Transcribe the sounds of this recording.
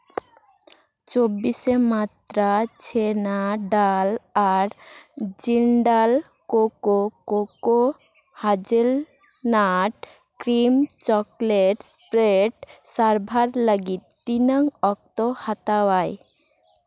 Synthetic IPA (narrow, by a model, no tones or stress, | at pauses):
t͡ɕobːisemat̪ɾat͡ɕʰenaɖalaɾd͡ʑiɳɖal | kokokoko | had͡ʑel | naʈ | kɾimt͡ɕɔkleʈspɾeʈsaɾbʱaɾləɡit̪̚ːinəŋɔk̚t̪ohat̪awaj